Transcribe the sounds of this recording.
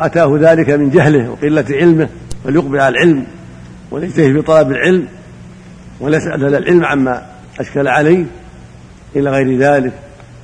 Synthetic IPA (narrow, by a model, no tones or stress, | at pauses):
ʔat̪aːhʊðaːlɪkamɪnd͡ʒaɦlɪhwɪ̰qɪlːat̪ʕɪlmɪh | faljʊqbɪlʕalalʕɪlm | wa̰lɪd͡ʒt̪ahɪbit̪ˤɑlɑbɪlʕɪlm | walasʔa̰lhalːalʕɪlmʕamːa | ʔaʃkalʕalajh | ʔɪlaɣajɾɪðaːlɪk